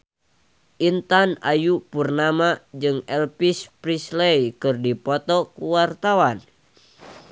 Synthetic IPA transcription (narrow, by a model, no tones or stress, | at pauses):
ʔint̪ana̰jupurnamad͡ʒɨŋɛlpispɾislɛjkɨrdipɔt̪ɔkuwart̪awan